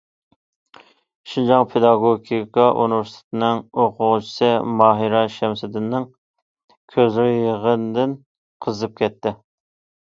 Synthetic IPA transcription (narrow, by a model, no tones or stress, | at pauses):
ʃind͡ʒɑŋpʰed̪ɑɡoɡʲikʰɑʔṵnɪvɪɾsɪ̥t̪ʰɪ̥t̪ʰɪnɪŋoqʰʊʁʊt͡ʃʰi̥sɨmɑːɦiɾɑʃɛmsɪd̪ɪnːɪŋ | kʲʰøzɾɪjəʁənd̪ɪn | qʰəzɨp̚kʲʰɛt̪ːɪ